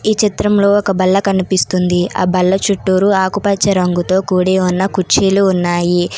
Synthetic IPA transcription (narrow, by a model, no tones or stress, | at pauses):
iːt͡ʃit̪ɾɐmlo̞ːɔkɐbɐlːɐkɐnipist̪und̪ia̰ːbɐlːɐt͡ʃuʈːuːɾuaːkupɐt͡ʃːɐɾɐŋɡut̪o̞ːkuːɽeːunːɐkut͡ʃeːluːnːaːji